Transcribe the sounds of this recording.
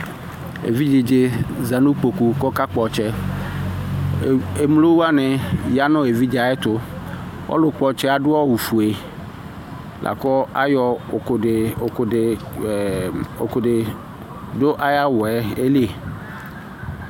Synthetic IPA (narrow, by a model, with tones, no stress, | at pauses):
ḛ˨vi˦d͡ʒɪ˨d͡ʒɪ˦za˨nu˦k͡po˨ku˨kɔ˦ka˦k͡pɔ˨t͡ʃɛ˦ | e˨m˦lo˦wa˦nɪ˨ja˦nʊ̃˦e˨vi˦d͡ʒa˨ɛ˦t̪ʊ˦wʔɔ̰˦lʊ˨k͡pɔ˨t͡ʃɛ˦a˨dʊ˦ɔ˦wu˨fu˨e˨ | lʔa̰˨kɔ˦a̰˦jɔ˦˨kɪ˨kʊ˨ɪ˨ | o̰˨kʊ˨ɖɪ˨ | do˦ʔa˦ja˦wʊ˨ɛ˦e˦li˦e˨